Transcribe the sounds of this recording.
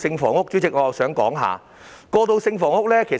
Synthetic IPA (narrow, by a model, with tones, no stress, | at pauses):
sɪ˧ŋfɔ̰ː˨˩ŋʊ˥k̚t͡ɕyː˨˥t͡sɪ˨k̚ŋɔː˨˧jɐ˨wsœː˨˥ŋkɔ̰ː˨˥ŋɦa̰ː˨˧ | kɔː˧t̪o˧wsɪ˧ŋfɔː˨˩ŋʊ˥k̚lɛː˥kʰe˨˩